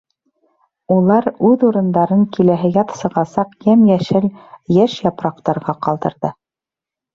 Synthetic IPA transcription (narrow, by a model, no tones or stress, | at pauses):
ulˠɑɾʉðuɾɤ̆nd̪ɑɾɤɴkilæɦɘjɑt̪sɤ̆ʁɑsɑqjæmjæʃɘljæʃjɑpɾɑqt̪ɑɾʁɑqɑlˠd̪ɤ̆ɾðɤ